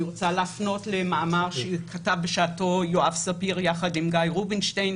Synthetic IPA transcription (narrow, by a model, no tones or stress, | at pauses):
ʁot͡salafno̞tlemaːmaʁʃekʰatavbeʃaːto̞joavsapiʁjaχadimɡajʁubinʃtajn